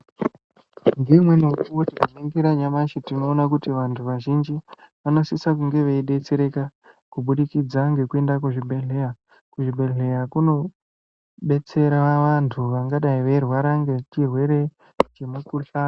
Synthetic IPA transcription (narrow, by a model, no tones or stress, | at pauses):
ndimwe̞nokuwotimoneŋɡeɾaɲamaʃitino̞ːnak̬utiʋantʰuʋaʒind͡ʒiʋano̞sisak̬uŋɡe̞ʋeiɗe̞t͡se̞ɾe̞ka | kuɓuɗikid͡zaŋɡe̞kue̞ndakuʐibʱe̞ɮe̞ja | kuʐibʱe̞ɮe̞jakuno̞ | ɓe̞t͡se̞ɾaʋantʰuʋaŋɡaɗaiʋe̞rwaɾaŋɡe̞t͡ʃirwe̞ɾe̞ | t͡ʃe̞mukuɬaː